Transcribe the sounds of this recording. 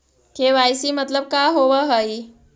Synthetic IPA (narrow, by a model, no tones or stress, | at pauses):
kʰeʋajsiːmət̪ləb̚kaɦoʋəɦəi